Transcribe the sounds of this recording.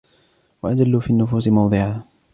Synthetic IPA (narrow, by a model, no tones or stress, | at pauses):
waʔad͡ʒalːuːfiːanːʊfuːsɪmɑwd̪ˤɨʕaː